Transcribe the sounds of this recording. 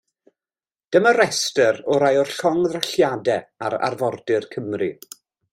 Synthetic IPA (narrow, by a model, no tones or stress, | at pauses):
d̥əməɾɛstəɾɔɾajɔrɬɔŋðraɬjadɛaɾa̰rvɔrdɪrkʰəmrḭ